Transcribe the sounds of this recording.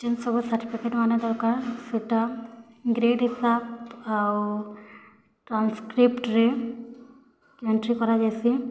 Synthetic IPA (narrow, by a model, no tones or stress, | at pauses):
d͡ʒensɔbusaɾʈipʰikeʈmaned̪ɔɾkaɾseʈa | ɡɾeɖisapaw | ʈɾanskɾipʈɾe | eɳʈɾikɔɾad͡ʒajsi